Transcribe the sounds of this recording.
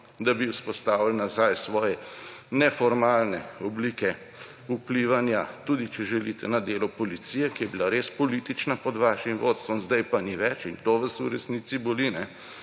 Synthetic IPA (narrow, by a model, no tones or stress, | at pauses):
d̪abiuspɔst̪aːʋilnazajsʋɔːjɛnɛfɔɾmaːlnɛɔbliːkɛ | upliʋanjat̪uːd̪it͡ʃɛʒɛlit̪ɛnad̪eːlɔpɔlit̪siːjɛkijɛbilaɾespɔlit̪it͡ʃnapɔd̪ʋaːʃimʋot̪st̪ʋɔmzd̪ajpaniʋɛt͡ʃint̪oʋasuɾɛsnit̪sibolinɛ